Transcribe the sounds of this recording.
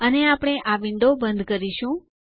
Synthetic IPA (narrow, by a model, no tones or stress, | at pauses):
əneapɽ̃eʔaʋɪnd̪obənd̪ʱkəɾiʃũ